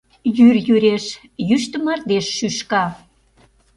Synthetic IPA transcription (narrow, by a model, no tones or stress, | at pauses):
jyrjyɾeʃ | jyʃt̪əmɑrd̪eʃːyʃkɑ